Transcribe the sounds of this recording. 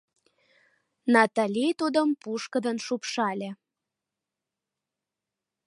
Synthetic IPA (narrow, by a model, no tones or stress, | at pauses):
nɑt̪ɑlʲijt̪ud̪əmpuʃkəd̪ənʃupʃɑlʲe